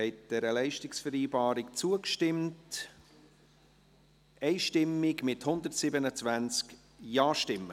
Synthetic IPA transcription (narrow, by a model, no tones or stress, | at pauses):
ɛɪt̚d̥ɛɾəlɛɪʃtɪksfəɾiːbɑːɾɪkt͡suəkʃtɪmt | ɛɪʃtɪmːɪɡmɪthʊnd̪ərtsɪbənət͡svænt͡sk | jɑːʃtɪmːə